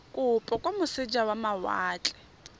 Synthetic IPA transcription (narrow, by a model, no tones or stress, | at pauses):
kʼʊpʼɔkʼomʊsɪd͡ʒawamawa̰ːt͡ɬʼɛ̥